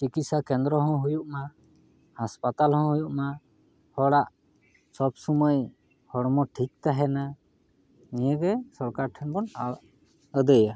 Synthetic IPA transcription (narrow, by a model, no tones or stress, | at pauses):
ʈikisakɛnd̪ɾɔɦɔ̃ɦujuʔma | haspat̪alɦɔ̃ɦujuʔma | hɔɽaʔ | sɔbsɔməj | hɔɽmɔʈʰik̚t̪aɦɛna | nijəɡɛsɔɾkaɾʈʰəŋbɔn | əd̪əja